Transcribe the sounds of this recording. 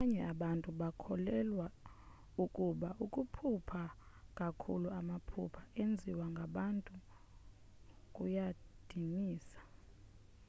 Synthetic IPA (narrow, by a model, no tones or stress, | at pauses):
aɲɛ̰aɓantʼuɓakʰɔlɛlwa | ukʼuɓaʔukʼupʰupʰakʼakʰṵluamapʰṵpʰaend͡zʱiwaŋɡʱaɓantʼu | kʼujad̥ʱimiːsḁ